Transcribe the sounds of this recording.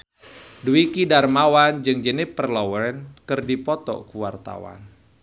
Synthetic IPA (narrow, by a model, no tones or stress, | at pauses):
duikidarmawand͡ʒɨŋd͡ʒənɪpːərlɔwɛɾɛnkɨrdipɔt̪ɔ̰kuwart̪a̰wa̰n